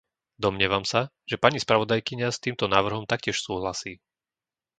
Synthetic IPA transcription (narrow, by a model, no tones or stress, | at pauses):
d̪ɔmɲɪɛʋamsa | ʒ̥ɛpaɲispɾaʋɔd̪ajkiɲast̪iːmt̪ɔnaːʋr̩ɦɔmt̪akcɪɛʃsuːɦlasiː